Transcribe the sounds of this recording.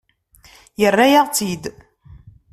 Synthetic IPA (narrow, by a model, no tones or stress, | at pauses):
jərːæjaʁt͡sid̪